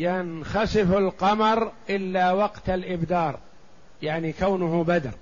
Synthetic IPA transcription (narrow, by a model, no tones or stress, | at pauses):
janxɑsɪfalqɑmɑɾˤʔɪlːawɑqt̪alʔɪbd̪ɑːɾˤ | jaʕnikawnʊhʊbad̪ɑ̰ɾˤ